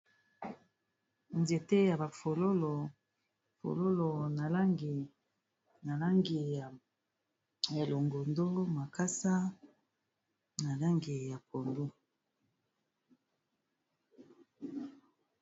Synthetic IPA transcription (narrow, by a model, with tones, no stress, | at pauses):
nze˨te˦ja˨ba˨fo˨lo˦lo˨ | fo̰˨lo˦lo˨na˨la˦ŋɡi˨ | na˨la˦ŋɡi˨ | e˨lo˨ŋɡo˨ndo˦ma˨ka˦sa˦ | na˨la˦ŋɡi˨ja˨pʰo˨ndu˦